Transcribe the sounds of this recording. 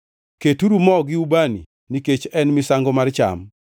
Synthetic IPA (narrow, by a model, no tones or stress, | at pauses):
ketuɾumɔɡɪubanḭ | niket͡ʃɛnmɪsaŋɡɔmart͡ʃa̰m